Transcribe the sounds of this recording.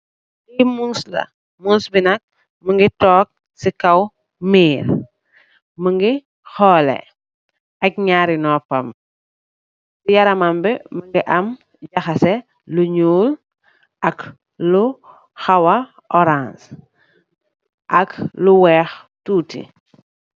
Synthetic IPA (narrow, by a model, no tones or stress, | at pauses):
imunslɐ̰ | munsbinɐk̚ | məŋɡitɔːk̚ | sikɐw | miːɾ | məŋɡi | xɔːlɛ̰ | ʔɐk̚ɲaːɾinɔːpɐm | bujɐɾɐmɐmbɛməŋɡiʔɐm | ɟɐxɐsɛ | luɲuːl | ʔɐk | lu | xɐwɐ | ʔɔɾãns | ʔɐkluwɛːx | tuːtḭ